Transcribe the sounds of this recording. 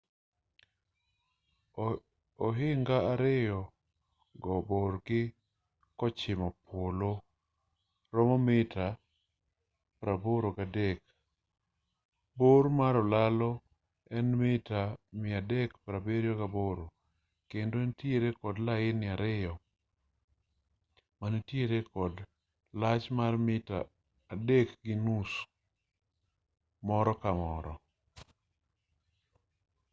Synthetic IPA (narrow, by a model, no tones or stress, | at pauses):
ɔɦɪŋɡaːɾɪjɔ | ɡɔborɡɪ | kɔt͡ʃɪmɔpwolo | ɾɔmɔmɪta | pɾaboɾokadɛk | boɾmaɾɔlalɔ | ɛnmɪtamɪadɛkpɾabeɾjɔkaboɾo | kendoɛntjeɾekɔdlajɪnɪaɾɪjɔ | manetjeɾekɔd | lat͡ʃmarmɪta̰ː | dekɡɪnus | mɔɾɔkamɔɾɔ